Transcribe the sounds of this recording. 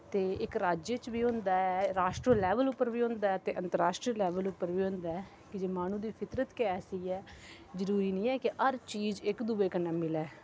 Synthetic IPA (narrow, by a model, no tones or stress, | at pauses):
t̪eːɪkɾaːd͡ʒjət͡ʃbiːɦʊ̃nd̪aːɛːɾaːʃʈɾəlɛːʋəlʊpːəɾʋiːɦʊ̃nd̪aːɛːt̪eːʔə̃nt̪əɾaːʃʈɾəlɛːʋəlʊpːəɾʋiːɦʊ̃nd̪aːɛː | kɪd͡ʒeːmaːñũːd̪iːpʰɪt̪ɾət̪keɛːsiːɛː | zəɾuːɾiːnĩːɛːkɪəɾt͡ʃiːd͡ʒɪkd̪uːʋeːkənːaːmɪlɛː